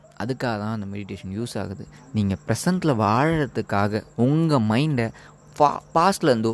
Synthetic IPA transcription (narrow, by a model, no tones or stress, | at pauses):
ɐ̰ðɯkːaːɣɐt̪ãːɐnd̪ɐmɛɽɪʈeːʂɐnjuːsa̰ːɣɐðɯ | niːŋɡɐpɪɾɛsɐɳʈlɐʋaːɻɐɽɐt̪ːɯkːaːɣɐʊŋɡɐmɐɪɳɖɐ | paːslɐʋɐnd̪oː